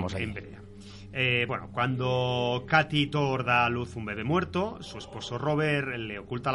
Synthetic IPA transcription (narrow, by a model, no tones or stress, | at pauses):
osembeɾea | eβbweno̰kwand̪okat̪it̪oɾðaluθumbe̞βe̞mwe̞ɾt̪osue̞spo̞so̞ro̞β̞eɾle̞okult̪a